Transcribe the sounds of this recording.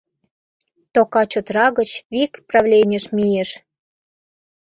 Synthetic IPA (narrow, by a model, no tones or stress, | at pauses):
t̪okɑt͡ɕot̪rɑɣət͡ɕβikprɑvlʲenʲə̆ʃmijeʃ